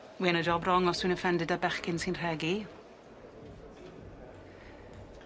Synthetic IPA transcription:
winəd͡ʒɔbrɔŋɔsinəfɛndɪdabɛχkɪnsinr̥ɛɡi

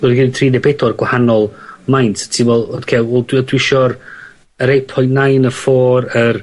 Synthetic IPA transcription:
ɔdɡidθʰriːdɛbedɔrɡ̥wahanɔlˠmajntʰtʰiwɛlˠɔd̥kʰewɛlˠdwdwɪʃɔr | əɾejpʰɔjntnajnəfɔːɾər

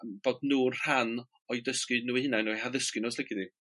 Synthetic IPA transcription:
b̥oːdnuːr̥an | ɔjdəskɨnuːihɪnanuːɦaðəskɨnɔslɛɡɪdi

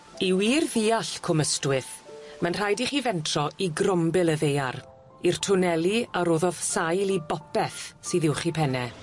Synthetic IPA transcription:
iwiːrðiːaɬkʰʊməstwɪθmanr̥ajdiχiːvɛntʰrɔiɡrɔmbɪlˠəðejaɾ | irtʰʊnɛlˠiaɾoːðɔð̥sajlˠibɔpɛθsiːðɪwχipʰɛnɛ

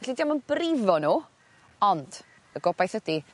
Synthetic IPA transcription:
ɛɬidiamənb̥rɪvɔnuː | ɔnd̥ | əɡɔbajθhədi

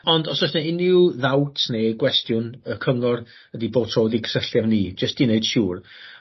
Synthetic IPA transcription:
ɔndɔsɔsnɛɪnɪwðawtʰneɡwɛstjʊnəkʰəŋɔr | ədiboːd̥̚tʰoːdikʰsəɬjavniːd͡ʒəstd̥ineɨd̥ʃuːr

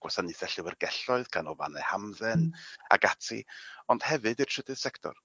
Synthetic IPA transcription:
ɡ̥wɔsaniθɛɬɨwərɡɛɬɔɨðɡʰanɔva̰nɛ̰hamðɛna̰ɡatʰḭɔnd̥hɛvɨdi̥tʰədɨðsɛktʰɔ̰r

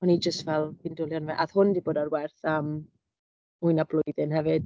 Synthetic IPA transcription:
ɔnid͡ʒəstvɛlˠvindʊlˠjɔnvɛʔaðhʊndiboːdarwɛrθəm | ujnablˠʊjðɪnɦɛvɨd̥

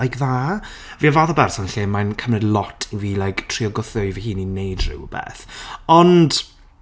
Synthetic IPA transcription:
ajkʰðaː | viavaːθɔbɛrsɔnɬeːmajnkʰəmrɨdlˠɔtʰiviːlajkʰtʰriɔɡɔθɔjvihiːninejdrɪ̰wbɛ̰ːθɔnd̥

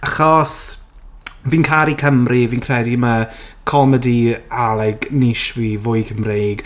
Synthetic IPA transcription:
aχɔs | viːnkʰaɾikʰəmriviːnkʰrɛdimakʰɔmɛdialˠɛɡnɪʃwivʊɨkʰəmreːɡ̥

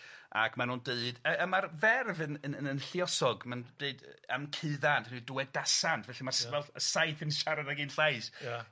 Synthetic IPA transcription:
a̰kʰmanuːndeɨd̥əəmarvɛrvɨnənəənɬiɔsɔɡmand̥eɨdəmkʰɨðantʰniːduwɛdasantʰvɛɬimarsvɛlˠəsajθənʃaɾadaɡiːnɬajs

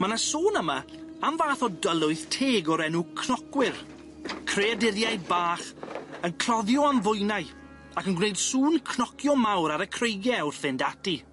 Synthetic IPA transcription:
manasoːnəma | amvaːθɔdəlˠʊɨθtʰeːɡɔɾɛnukʰnɔkwɪr | kʰreadɪɾjajbaːχənkʰl̥ɔðjɔanvʊjnaɨ | akənɡwnejd̥suːnkʰnɔkʰjɔmawɾaɾəkʰrejɡjɛwr̥fɪndati

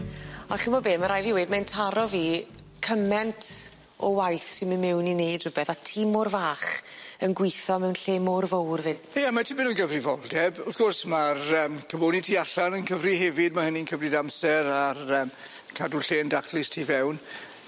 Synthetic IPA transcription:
ɔχɪmɔbeːməɾajviwedmɛntʰaɾɔviː | kʰəmɛntʰ | ɔ̰wajθsɪnmənmɛwninejdrəbɛθatʰiːmɔrvaːχənɡwɪθɔmɛwnɬeːmʊrvowrvɪn | ejamatʰibɪnuːnɡəvrivɔlˠdɛbʊθɡ̥ɔrsmarəːmkʰəmoːnitʰiːaɬanənkʰəvriɦɛvɪd̚mahəniənkʰəvrɨdamsɛɾarəːm | kʰadʊɬeːndakʰlˠɪstʰiːvɛwn

